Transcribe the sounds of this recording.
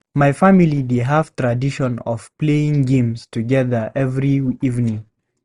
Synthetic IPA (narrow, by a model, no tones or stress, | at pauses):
maɪfamilideɦav̥tʰɹadiʃɔ̃nɔ̰v̥pleɪ̃ŋɡẽmstʰɨɡɛðə˞ʔɛvɹiivnɪ̃ŋ